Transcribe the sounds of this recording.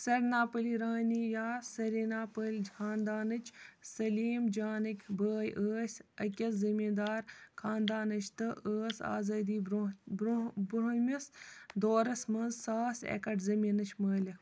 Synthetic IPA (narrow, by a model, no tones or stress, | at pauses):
sɐɾnaːpəliɾaːnijaːsɐɾiːnaːpəlʲd͡ʒaːnd̪aːnɨt͡ʃsɐliːmd͡ʒaːnɨkʲbəːjʔəːsʲɐkʲɐszimiːd̪aːɾkʰaːnd̪aːnɨt͡ʃʰt̪ɨʔəːsa̰ːzaːd̪iːbbbɾomʲɐsd̪oːɾɐsmɐnzsaːsḛkɐʈzɐmiːnɐt͡ʃʰməːlʲɐ